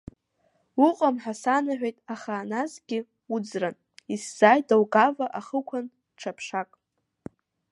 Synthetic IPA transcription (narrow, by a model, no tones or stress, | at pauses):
uqʼamħasanaħʷᶣejtʼaχaːnazɡʲɪ | ud͡zran | isz̥ajdawɡavaʔaχəkʷʰan | ʈ͡ʂʰapʰʂakʼ